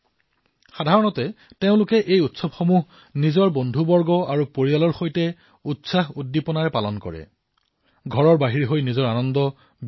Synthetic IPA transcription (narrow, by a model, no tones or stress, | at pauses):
xadʱaɹɔnɔtɛ | teʊ̃lʊkɛʔejutsɔbxomuɦ | nizɔɹbondʱubɔɹɡɔaɹupoɹialɔɹxojtɛ | utsaɦudːipɔnaɹɛpalɔnkɔ̰ɹɛ̰ | ɡʱɔɹɔɹbaɦiɹiɦojnizɔɹanɔndɔ